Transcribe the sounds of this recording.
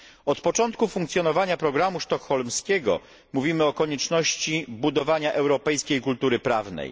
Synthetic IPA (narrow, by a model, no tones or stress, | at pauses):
ɔt̪pɔt͡ʂɔnt̪kufuŋkt̪sʲjɔnɔvaɲapɾɔɡɾamuʂt̪ɔxɔlmskʲɛɡɔ̰ | muvʲimɘɔkɔɲɛt͡ʂnɔɕt͡ɕibud̪ɔvaɲaʔɛwɾɔpɛjskʲejkult̪uɾɘpɾavnɛ̰j